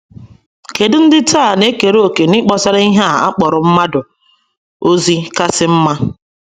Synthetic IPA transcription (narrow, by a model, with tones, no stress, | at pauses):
ke˨dʊ˦n̩˦dɪ˦tʰaː˦˨ne˦ke˨ɾo˨ke˨nɪ˦k͡pɔ˨sa˦ɾa˦i˦ɦa˦˨a̰˦k͡pɔ˨ɾʊ˨m̩˦ma˦dʊ˨ | o˦zi˦ka˦sɪ˦m̩˦ma˦